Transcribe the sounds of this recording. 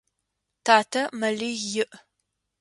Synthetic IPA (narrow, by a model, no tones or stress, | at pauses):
tʰaːtʰɐmɐɮijɪʔ